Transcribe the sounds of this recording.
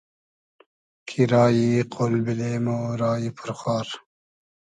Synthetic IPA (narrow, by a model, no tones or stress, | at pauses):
kʰiɾɑːjiqʰolbileːmoɾɑːjipʰuɾxaːɾ